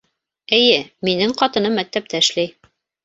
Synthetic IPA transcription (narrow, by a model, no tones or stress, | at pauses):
ɘ̆jɘminɘŋqɑt̪ɤ̆nɤmːæk̚t̪æp̚t̪æɘ̆ʃlæj